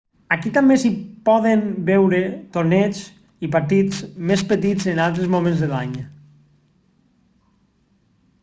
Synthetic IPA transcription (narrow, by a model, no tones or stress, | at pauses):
akit̪ambesipɔðembɛwɾet̪oɾnet͡s | ipaɾt̪it͡smespət̪id͡zenalˠt̪ɾəzmomẽnzðelaɲ